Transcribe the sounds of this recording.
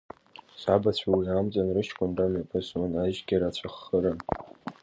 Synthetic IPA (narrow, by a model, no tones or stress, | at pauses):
sabat͡ɕʷʰawiamt͡sʼanrɨʃʰkʷʼʊnramapʼɨsunaʒɡʲaɾat͡ɕʷʰaχːəɾan